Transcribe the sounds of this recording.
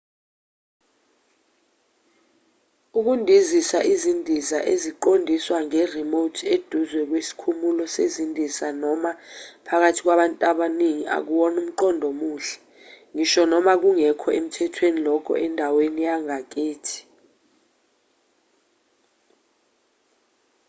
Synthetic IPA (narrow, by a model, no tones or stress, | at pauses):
uk̬undʱizisaʔizindʱisa̰ʔeziǃondʱiswaŋɛrimotʰed̥ʱuzwɛk̬wesi̥kʰumulɔsezindʱisanɔmapʰak̬atʰik̬waɓantʼaɓaniŋiʔa̰k̬uɓɔnum̩ǃɔndʱɔmuːɬɛ̥ | ŋiʃɔnɔmak̬uŋɛkʰɔʔem̩tʰɛtʰwenilɔkʰɔ̰ʔɛndʱawenijaŋak̬eːtʰi̥